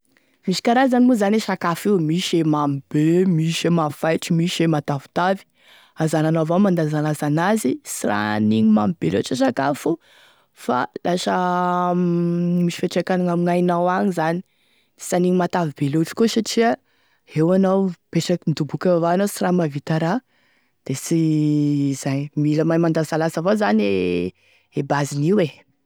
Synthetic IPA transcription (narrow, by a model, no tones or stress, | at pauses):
miʃi̥kaɾazanimuzaneʃakafiwmiʃemamib̥emiʃemafajʈ͡ʂimiʃemat̪avu̥t̪avi̥ | azananavamand̪azanlazanazisira̰niɲima̰mib̥elo̰aʈ͡ʂəs̬akafu | fa̰lasə | miʃi̥feʈ͡ʂekanaŋamiŋajnawaɲizani̥ | saniɲimat̪avib̥eloʈ͡ʂi̥kosaʈ͡ʂia | ewanawpeʈ͡ʂəkinid̪ubukʲaavaanawsiramavit̪aɾa | d̪̥esi | z̥ajmiləmajmand̪azalasavazane | ebaziniwe